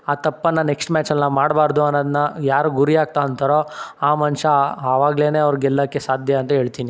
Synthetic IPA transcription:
aːt̪ɐpːɐnːɐneksʈmaːt͡ʃɐlːɐmaːɽbaːɾɐd̪uɐnːɐd̪ɐnɐjaːɾuɡuɾiaːɡ̚t̪aɐnt̪ɐɾo̞aːmɐnʂɐɐʋaːɡɐle̞ːne̞ːɐʋɐɾɡɛlːɐkːesaːd̪ʱjɐɐnt̪ɐɦe̞ːɭt̪iːni

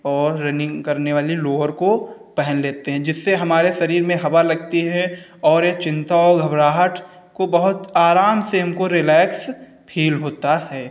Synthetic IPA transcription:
ɔːɾːenɪ̃ŋɡkɐɾneʋaːliloːʋəɾkopɛɦɛnleːt̪eɦɛ̃d͡ʒɪsːeɦɐmaːɾeʃɐɾiːɾmẽɦɐbalɐɡ̚t̪iɦɛ̃ | ɔːɾet͡ʃɪ̃nt̪aɔːɾɡʱɐbɾaːɦəʈʰ | kobɐɦʊt̪aːɾaːmseɦɐmkoɾɪlɛːks | pʰiːlɦoːt̪ahɛː

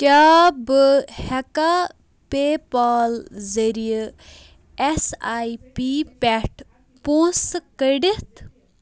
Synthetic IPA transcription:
kʲaːbɨhɐka | peːpaːlzɐɾij | esaipipʲɛʈ | põːskəɖit̪

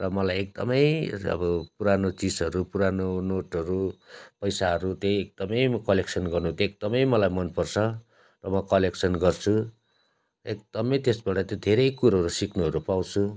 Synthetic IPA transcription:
rʌmʌlajek̚d̪ʌmʌjʌ̰bʌpuɾanot͡sid͡zʌɾupuɾanonoʈʌɾupʌjsaɦʌɾut̪ʌek̚d̪̥ʌmʌjmkʌleksʌnɡʌrnut̪ek̚d̪ʌmʌjmʌlajmʌnpʌrt͡sʰʌ | rʌmʌkʌleksʰʌnɡʌrt͡sʰu | ek̚d̪̥ʌmʌjt̪esbaʈʌt̪jod̪ʱeɾʌjkuɾɦʌɾusiknuɦʌɾupaw̃t͡sʰu

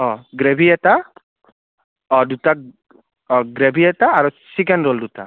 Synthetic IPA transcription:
ɔ̃ɡɾebʱiɛt̪a | ɔdut̪a | ɡɾebʱiɛt̪aːɾusikenɾoldut̪a̰

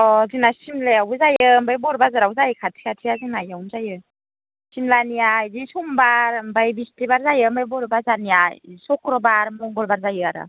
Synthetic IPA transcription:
ɔzinasimlejawuzajɯmbajbɔɾbazɯɾawzajɯkʰatʰi̥kʰatʰijazinajawmzajɯ | simlanijajdisumbaɾmbajbistibaɾzajɯmbajbɔɾbazanijajsɔkʰɾɔbaɾmɔŋɡɔɾbaɾzajɯaɾɯ̰

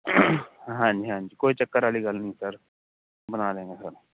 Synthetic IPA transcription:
ɦãɲd͡ʒiɦãːnd͡ʒiːkoːit͡ʃəkːəɾaːliːɡəlnəĩsəɾ | bənaːlẽːɡeːsəɾ

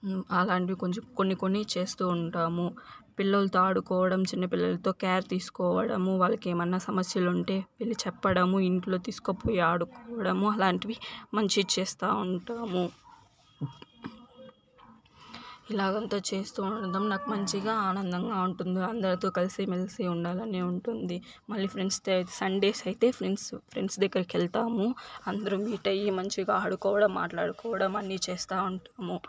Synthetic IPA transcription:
ɐlaːɳʈiʋikoɲt͡ʃko̞nːiko̞nːit͡ʃe̞ːst̪uːuɳʈaːmupilːɐlɐt̪oaːɽukɔːʋɐɽɐmt͡ʃinːɐpilːɐlɐt̪o̞ːkaːɾt̪iːsu̥kɔːʋɐɽɐ̰muʋaːɭːɐkeːmɐnːɐsɐmɐsjɐluɳʈe̞ːʋilːit͡ʃɛpːɐɽɐmuiɳʈlo̞ːt̪iːsu̥kɐpoːjiaːɽukɔːʋɐɽɐmuɐlaːɳʈiʋimɐɲt͡ʃit͡ʃeːst̪aːuɳʈaːmu | ilaːɡɐnt̪aːt͡ʃe̞ːst̪uːd̪ɐmnaːkumɐɲt͡ʃiɡaːaːnɐnd̪ɐŋɡaːuɳʈund̪iɐnd̪ɐɾɐt̪oːkɐlisimelsiuɳɖaːlɐneːuɳʈund̪i | mɐɭːiːpʰɾenst̪ɐsɐɳɖe̞ːsɐjit̪e̞ːpʰɾenspʰɾḛɳsd̪ɐɡːɐɾɐkɛlt̪aːmuɐnd̪ɐɾumiːʈɐjːimɐɲt͡ʃiɡaːaːɽukɔːʋɐɽɐmːa̰ːʈlaːɽukɔːʋɐɽɐmɐnːiːt͡ʃɛːst̪aːuɳʈaːmu

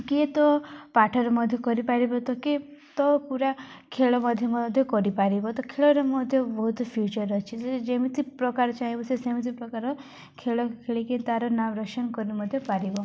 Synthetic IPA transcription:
ket̪ɔpaʈʰɔɾɔmɔd̪ʱjɔkɔɾipaɾibɔt̪ɔket̪ɔpuɾa | kʰeɭɔmɔd̪ʱːjɔmɔd̪ʱjɔkɔɾipaɾibɔt̪ɔkʰeɭɔɾɔmɔd̪ʱjɔbɔɦut̪pʰjut͡ʃɔɾɔt͡ʃʰised͡ʒemit̪ʰipɾɔkaɾɔt͡ʃaɦĩbɔsesemit̪ʰipɾɔkaɾɔ | kʰeɭɔkʰeɭiket̪aɾɔnaʋɾɔkʃɔnkɔɾinimɔd̪ʱːjɔpaɾibɔ

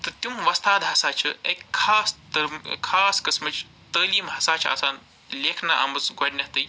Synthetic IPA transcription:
t̪ɨt̪ʲumʋɐst̪ʰaːd̪ɦɐsaːt͡ʃʰɐekʲkʰːaːst̪ɐkʰaːskɐsmɐt͡ʃ | t̪əːliːmɦɐsaːt͡ʃʰa̰ːsaːn | leːkʰnaʔɐ̰mɐt͡sɡɐɖʲnʲɐɦt̪ɨj

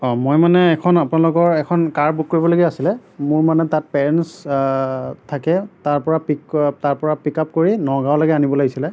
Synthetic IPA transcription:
ɔmojmanɛːkʰɔnapʊnalʊkɔɹɛkʰɔnkaɹbuk̚kːoɹibɔloɡɛasilɛmʊɹmanɛtat̚pɛɹɛns | tʰakɛtaɹpɔɹapiktaɹpɔɹapikap̚koɹinɔɡawlaɡɛanibɔlaɡisilɛ

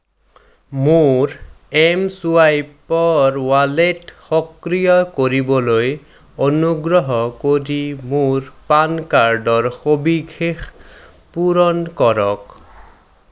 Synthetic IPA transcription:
moɹ | ɛmsuajpɔɹwaletxɔkɾijɔkoɹibɔloj | onuɡɹɔɦɔkoɾimoɹpankaɹɖɔɹxobiɡʱʰex | puɾɔnkɔɹɔk

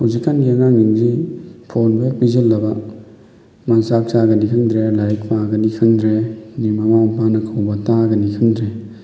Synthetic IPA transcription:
huwzikːanɡiɐŋaŋniŋzipʰonbɐpizelːɐbɐ | mansak̚saɡɐnikʰɯŋdɾelajk̚maɡɐnikʰɯŋdɾenimamawpʰanɐkʰawbɐtaɡɐnikʰɯŋdɾe

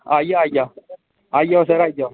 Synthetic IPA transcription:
ajaaja | ajawseɾaja

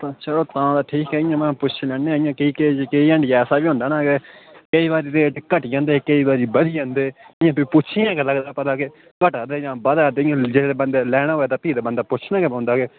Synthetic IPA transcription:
t̪aːt͡ʃəloːt̪ãːd̪aːʈʰiːkɛːɪjãːmɛ̃ːpʊt͡ʃʰilɛːɳeãɪjãːkiiːkekeiːə̃ɳɖjɛːsaːbiːõːnd̪aːnaːkekəiːβaːɾiːɾeːʈkəʈːd͡ʒãːnd̪eːkəiːbaːɾiːbəd̪ijãːnd̪eːɪjãːpiːpʊt͡ʃʰɪjãːkeləɡd̪aːpət̪aːke | kəʈaːd̪eːd͡ʒãːbəd̪aːd̪eːɪãːd͡ʒeeːbənd̪eːlɛːɽ̃aːɦoːeːt̪aːpiːd̪aːbənd̪aːpʊt͡ʃʰnãːkepõːnd̪aːke

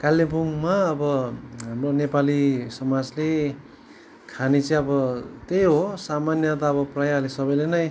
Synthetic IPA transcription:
kalːebuŋmaʌbʌɦamronepalisʌmad͡zle | kʰanit͡sʌj̃ʌbʌt̪ejɦosamanjʌt̪̬aʌbʌprajaʌlesʌbʌjlenʌj

